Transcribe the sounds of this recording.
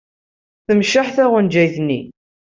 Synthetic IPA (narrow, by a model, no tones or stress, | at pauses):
θəmʃaħθæʁənd͡ʒæjθnːi